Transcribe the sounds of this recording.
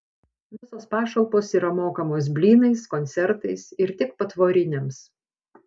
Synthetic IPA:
ʋʲɪsoːspɑːʃɐʊpoːsiːɾɐmoːkɐmoːs̬bʲlʲiːnɐɪskɔnʲt̪sʲɛɾt̪ɐɪsɪɾt̪ʲɪkpɐt̪ʋoːɾʲɪnʲems

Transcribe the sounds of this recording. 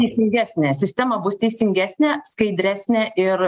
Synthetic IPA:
t̪ʲɛɪsʲɪŋʲɡʲæːsʲnʲɛːsʲɪsʲt̪ʲɛmɐbʊst̪ʲɛɪsʲɪŋʲɡʲæːsʲnʲɛːskɐɪd̪ʲɾʲæːsʲnʲɛʔɪɾ

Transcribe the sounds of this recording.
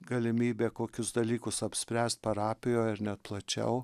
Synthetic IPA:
ɡɐlʲɪmʲiːbʲeːkoːkʲʊsd̪ɐlʲiːkʊsɐpʲsʲpʲɾʲæːsʲt̪̚pɐɾɑːpʲɪjoːɪɾnʲɛt̪̚plˠɐt͡ʃʲɛ̰ʊ

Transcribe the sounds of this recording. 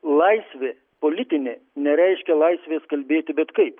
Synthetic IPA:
lˠɐɪsʲʋʲeː | polʲɪt̪ʲɪnʲeːnʲɛɾʲɛɪʃʲkʲɛlˠɐɪsʲʋʲeːskɐlʲbʲeːt̪ʲɪbʲɛt̪kɐɪp

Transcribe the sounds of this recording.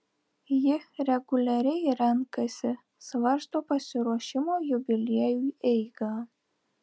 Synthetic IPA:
jɪɾʲɛɡʊlʲɛɾʲɛɪɾʲɛŋkɐsʲɪ | sʋɐɾst̪oːpɐsʲɪɾuɔʃʲɪmoːjʊbʲɪlʲiɛjuːɛɪɡɑː

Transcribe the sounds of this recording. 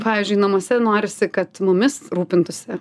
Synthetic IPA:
pɑːʋʲiːzʲd͡ʒʲʊɪnɐmoːsʲɛnoːɾʲɪsʲɪkɐt̪mʊmʲɪsɾuːpʲɪnt̪ʊsʲɪ

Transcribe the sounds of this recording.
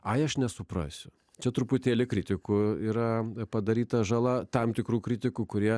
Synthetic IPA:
ɐɪɐʃnʲɛsʊpɾɑ̰ːsʲʊ | t͡ʃʲɛt̪ɾʊpʊt̪ʲeːlʲɪkɾʲɪt̪ʲɪkʊiːɾɐpɐd̪ɐɾʲiːt̪ɐʒɐlˠɐt̪ɐmt̪ʲɪkɾuːkɾʲɪt̪ʲɪkuːkʊɾʲiɛ

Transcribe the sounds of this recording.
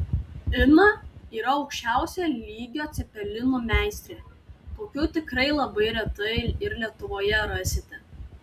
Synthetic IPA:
ɪnɐiːɾɐɒʊkʃʲt͡ʃʲæˑʊsʲɛlʲiːɡʲoːt̪sʲɪpʲɛlʲɪnuːmʲæˑɪsʲt̪ʲɾʲeːt̪oːkʲuːt̪ʲɪkɾɐɪlˠɐbɐɪɾʲɛt̪ɐɪɪɾlʲiɛt̪ʊʋoːjɛɾɐsʲɪt̪ʲɛ

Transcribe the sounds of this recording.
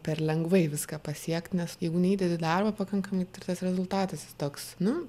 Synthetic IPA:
pʲɛrlʲɛŋɡʋɐɪʋʲɪskɑːpɐsʲiɛkt̪nʲɛsjɛɪɡʊnʲɛiːd̪ʲɛd̪ʲɪd̪ɐrbɐpɐkɐŋkɐmɐɪt̪ɪrt̪ɐsɾʲɛzʊlˠt̪ɑːt̪ɐsɪst̪oːksnʊ

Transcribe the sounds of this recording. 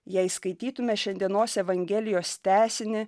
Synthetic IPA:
jɛɪskɐɪt̪ʲiːt̪ʊmʲɛʃʲɛnd̪ʲiɛnoːsɛʋɐŋʲɡʲɛːlʲɪjoːst̪ʲæːsʲɪnʲɪ

